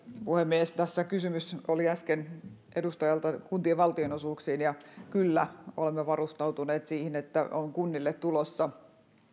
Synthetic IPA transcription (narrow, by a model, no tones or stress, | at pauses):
puhemːiest̪æsːækysymysoliæskenʔedust̪ɑjɑlt̪ɑkunt̪ieʋʋɑlt̪ionosuːksiːnjɑkylːæolemːeʋɑrust̪ɑut̪uneːt̪siːhinet̪ːæ̰ʔoŋkunːilːet̪t̪ulosːɑ